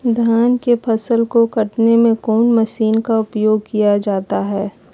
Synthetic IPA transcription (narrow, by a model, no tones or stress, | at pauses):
d̪ʱjaːnkepʰɐsəlkokɐʈnemẽkɔːnmɐʃiːnkaʊpjoːɡ̚kijad͡ʒaːt̪aɦɛː